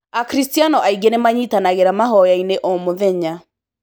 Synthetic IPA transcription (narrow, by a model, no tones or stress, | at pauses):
akɾistianɔʔaiɡenemaɲitanaɣeɾamaɦɔjaineʔɔmoðɛɲa